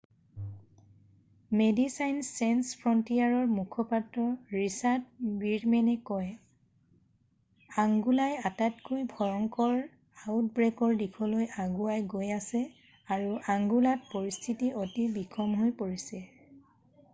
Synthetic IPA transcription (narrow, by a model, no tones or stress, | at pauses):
medisajnsanspʰɹɔntijaɹɔɹmukʰɔpatɹɔɹisat̚biɹmɛnɛkɔj | aŋɡulajatatkojbʱɔɹɔŋkɔɹ | awt̚bɹekɔɹdikʰɔlojʔaɡuajɡojasɛ | aɹuʔaŋɡulat̚poɹistʰitiotibikʰɔmɦojpoɹisɛ